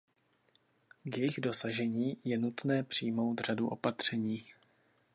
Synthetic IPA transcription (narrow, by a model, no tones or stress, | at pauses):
ɡjɪɣdo̞saʒɛɲiːjɛnut̪nɛːpr̝̥ijmo̞wt̪r̝̥aduʔo̞̰pat̪r̝̥ɛɲiː